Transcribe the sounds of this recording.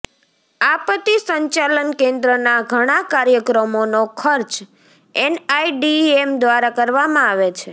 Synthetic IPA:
apət̪isəɲt͡ʃalənkẽnd̪ɾənaɡʱəɽ̃akaɾjəkɾəmonokʰəɾt͡ʃ | ɛnaiɖiemd̪ʋaɾakəɾʋamãaʋet͡ʃʰe

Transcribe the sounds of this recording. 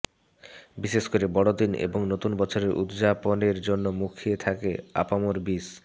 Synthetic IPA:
biʃeʃkoɾebɔɽod̪inḛboŋnot̪unbɔt͡ɕʰoɾeɾʔṵt̪d͡ʑaponeɾd͡ʑonːomukʰiet̪ʰakea̰pamoɾbis

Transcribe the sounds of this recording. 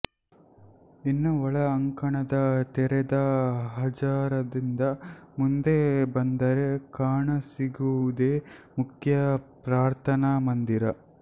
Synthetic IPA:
inːuʋɔɭɐːŋkɐɳɐd̪ɐt̪ɛɾɛd̪ɐɦɐd͡ʒaːɾɐd̪ind̪ɐmund̪ebɐnd̪ɐɾe̞kaːɳɐsiɡuʋud̪eːmukʰjɐpɾaːɾt̪ʰɐnɐmɐnd̪iɾɐ

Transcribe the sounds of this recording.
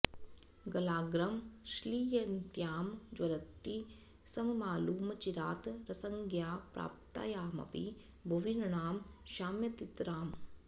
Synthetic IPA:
ɡɐlaːɡɾɐmʃliːjɐnt̪jaːmd͡ʒwɐlɐt̪ːi | sɐmɐmaːluːmɐt͡ʃiɾaːt̪ɾɐsɐŋɡjaːpɾa̰ːp̚t̪a̰ːjaːmɐ̰pḭ | bʱɐʋinɐɳaːmʃaːmjɐt̪it̪ɾaːm

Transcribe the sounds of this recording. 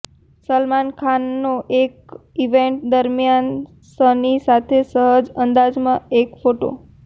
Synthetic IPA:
səlmankʰanːoʔek̚iʋeɳʈ̚d̪əɾmjan | sənisat̪ʰesəɦəd͡ʒənd̪ad͡ʒmãekfoʈo̰

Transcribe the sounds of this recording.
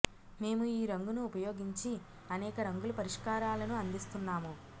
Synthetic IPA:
me̞ːmuiːɾɐŋɡunuːpɐjo̞ːɡiɲt͡ʃi | ɐnɛːkɐɾɐŋɡulɐpɐɾiʂkaːɾaːlɐnuɐnd̪ist̪unːaːmu

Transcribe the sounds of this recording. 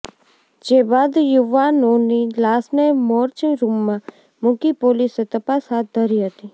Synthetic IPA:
d͡ʒeːbaːd̪jʊʋanonilaːsnemoːɾt͡ʃĩɾuːmːã | mʊ̃kipoːliset̪əpasɦaːt̪̚ʰd̪ʱəɾiɦət̪i

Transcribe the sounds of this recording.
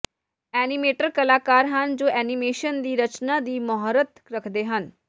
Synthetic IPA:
ɛːnɪmeːʈəɾkəlaːkaːɾɦənd͡ʒoːʔɛːnɪmeːʃənd̪iːɾət͡ʃnãːd̪iːmɔɦɾət̪ɾəkʰd̪eːɦən

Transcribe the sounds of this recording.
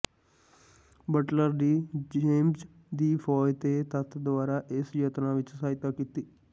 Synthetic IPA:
bəʈləɾd̪iːd͡ʒeːmz | d̪iːpʰɔːjt̪eːt̪ət̪ʰd̪ʊaːɾaːʔɪsjət̪ɾãːʋɪt͡ʃsaːɪt̪aːkiːt̪iː

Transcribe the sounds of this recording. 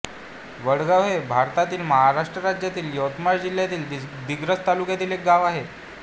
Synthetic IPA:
ʋəɽɡaʋɦebʱaɾt̪at̪iːlməɦaɾaʂʈɾəɾad͡ʑjat̪iːljəwt̪maɾd͡ʑil̤jat̪iːld̪iɡɾət͡st̪alukjat̪iːlek̚ɡaʋaɦe

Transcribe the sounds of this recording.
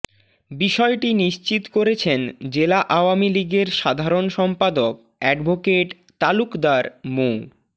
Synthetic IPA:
biʃɔeʈiniʃt͡ɕit̪koɾet͡ɕʰend͡ʑelaʔaoamiliɡeɾʃad̪ʱaɾonʃɔmpad̪ok | ɛɖbʱokeʈ | t̪alukd̪aɾmo

